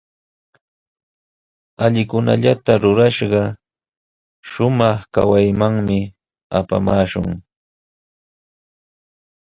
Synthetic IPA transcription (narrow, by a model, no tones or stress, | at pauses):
aʎɪkʊna̰ʎat̪aɾʊɾaʃɢɑ | ʃʊmɑχka̰wajmaŋmɪ | apa̰maːʃʊ̰ŋ